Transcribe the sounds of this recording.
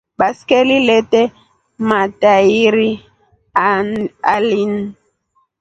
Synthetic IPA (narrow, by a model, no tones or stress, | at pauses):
baskeliletɛ | mataiɾi | alin